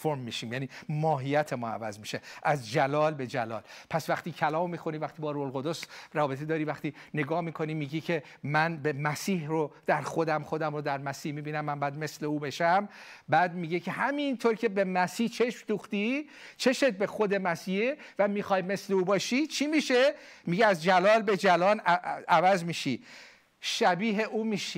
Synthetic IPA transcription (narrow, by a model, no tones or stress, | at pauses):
oɾmːiːʃiːmjæːniːmɒːɦijæt̪ʰe̞mɒ̰ːæ̰væzmiʃeʔæzd͡ʒælɒːlbe̞d͡ʒælɒ̰ːlpʰæsvæχt̪iːcʰælɒːmːiːxo̞nivæχt̪iːbɒːɾuoolɣod̪osrɒːbe̞t̪ʰed̪ɒːɾiːvæχt̪iːne̞ɡɒːhmiːkʰo̞niːmiːɟiːcʰe̞ | mænbemæsiːhrod̪̥æɾxo̞d̪æmχo̞d̪æmɾod̪æɾmæsiːhmiːbiːnæmːænbːd̪me̞sleuːbe̞ʃæmbæːd̪miɟecʰe̞ɦæmint̪ʰoːɾcʰe̞be̞mæsiːht͡ʃʰe̞ʃmd̪uːxt̪i | t͡ʃʰe̞ʃet̪̚be̞xod̪e̞mæsiːhevæmiːxɒːjme̞sle̞uːbɒːʃit͡ʃʰimiːʃe̞miɟɛæzd͡ʒælɒːlbe̞d͡ʒælɒːnævæzmiːʃi | ʃæbiːɦeʔuːmiːʃi